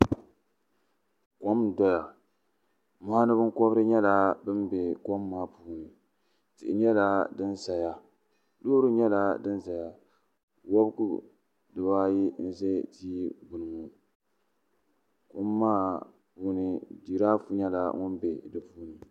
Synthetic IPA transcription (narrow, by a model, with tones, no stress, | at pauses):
ko˦mdɔ˦ja˨ | mʊ˨ha˦nɨ˦bɨ˦ŋko˦bɾɨ˦ɲɛ˦la˨bɨ˦mbe˨ko˦mːaː˦puː˦nɨ˨ | tɨ̰˨ʔɪ˨ɲɛ˦la˦dɨ˦nsa˨ja˦ | loː˦ɾɨ˦ɲɛ˦la˦dɨ˦nza˨ja˨ | wo˦bkṵ˨ | dɨ˨baː˦ji˦n̩˦˨zɛ˦tiː˦bʊ˨nɨ˨ŋu˨ | ko˦mːaː˦ | puː˦nɨ˨di˨ɾaː˦fu˦ɲɛ˦la̰˨ŋʊ˦nbe˨dɨ˨puː˦nɨ˨